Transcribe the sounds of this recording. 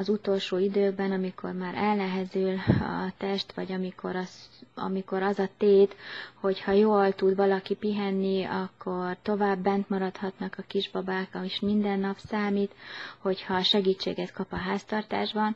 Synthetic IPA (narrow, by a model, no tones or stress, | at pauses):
ɒzut̪o̞lʃoːid̪øːɡ̚bɛnɒmikʰo̞̰rmaːɾɛlnɛɦɛzylɒ̰t̪ɛʃt̪ʋɒɟɒmikʰo̞̰ɾɒsɒ̰miko̞ɾɒzɒt̪eːt̪ho̞chɒjoːlt̪ud̪vɒlɒkipiɦɛnːiɒkːo̞rt̪o̞vaːbːɛnt̪mɒɾɒt̪hɒt̪nɒkɒkiʒbɒbaːkɒiʃmind̪ɛnːɒpsaːmit̪ho̞chɒʃɛɡiːt͡ʃːḛːɡɛt̪kɒpɒɦaːst̪ɒrt̪a̰ːʒbɒn